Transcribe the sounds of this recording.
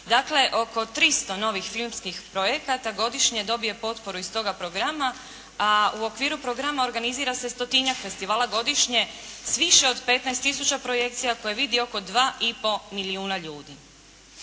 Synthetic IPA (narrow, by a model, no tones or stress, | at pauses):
d̪akle̞ʔo̞ko̞t̪ɾist̪o̞no̞ʋixfilˠmskixpɾo̞jekat̪aɡo̞d̪iʃɲe̞d̪o̞bije̞po̞t̪po̞ɾuist̪o̞ɡapɾo̞ɡɾama | auo̞kʋiːɾupɾo̞ɡɾamao̞ɾɡaniziːɾase̞st̪o̞t̪iɲakfe̞st̪iʋaːlˠaɡo̞d̪iʃɲe̞sʋiʃe̞o̞d̪pe̞t̪najst̪ːisut͡ɕapɾo̞je̞kt̪sijako̞jeʋid̪io̞ko̞d̪ʋaːipo̞miliuːnaʎuːd̪i